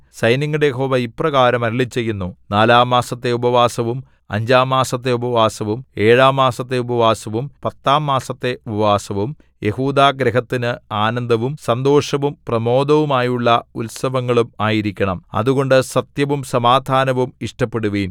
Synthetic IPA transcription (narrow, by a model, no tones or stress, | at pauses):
sɐjniŋːuɽejeɦo̞ːʋɐiprɐɣaːɾɐmɐɾilit͡ɕːe̞jːunːunaːlaːmːaːsɐt̪ːe̞ubɐʋaːsɐʋum | ɐ̰ɲd͡ʑaːmːaːsɐt̪ːe̞ubɐʋaːsɐʋume̞ːɻaːmːaːsɐt̪ːe̞ubɐʋaːsɐʋumpɐt̪ːaːmːaːsɐt̪ːe̞ubɐɐʋaːsɐʋum | je̞huːd̪aːɡɾeɦɐt̪ːinɨaːnɐnd̪ɐʋumsɐnd̪o̞ːʂɐʋumprɐmo̞ːd̪ɐʋumaːjuɭːɐulsɐʋɐŋːɐɭumaːjiɾikʲːɐɳɐmɐ̰ðuɣo̞ɳɖɨsɐt̪jɐʋumsɐmaːd̪ʱaːnɐʋumiʂʈɐpːe̞ɽuʋiːn